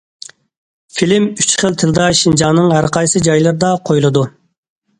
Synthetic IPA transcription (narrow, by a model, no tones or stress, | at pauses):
filɪmyt͡ʃχəlˠt̪ʰɨlˠd̪ɑʃind͡ʒɑːnɨŋɦæɾqɑjsɨd͡ʒɑjlˠɨɾɨd̪ɑqʰojlˠɨd̪u